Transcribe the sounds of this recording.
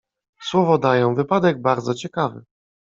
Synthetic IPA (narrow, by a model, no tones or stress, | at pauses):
swɔvɔd̪ajɔ̃w̃vɘpad̪ɛɡ̚baɾd̪zɔt͡ɕɛkavɘ̰